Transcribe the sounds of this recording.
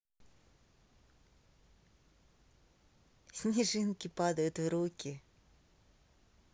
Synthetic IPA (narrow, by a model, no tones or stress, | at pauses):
sʲnʲɪʐɨnkʲɪpad̪əjʊt̪vɾukʲɪ